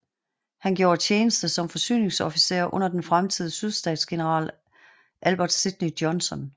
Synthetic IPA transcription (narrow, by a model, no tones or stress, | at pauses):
hænɡ̥jo̝ːɐt͡sʰeːnəsd̥əsɒ̽mfɒ̽sy̰ːne̝ŋsɒfise̝̰ːɐʔɔ̽n̰ɐd̥enfʁamt͡sʰið̞ˠəsyðˠsd̥ɛ̰ːd̥sɡ̥e̝nəʁɑ̰̈ːl | ʔælb̥ɐd̥sid̥nid̥jɒnsɒ̽n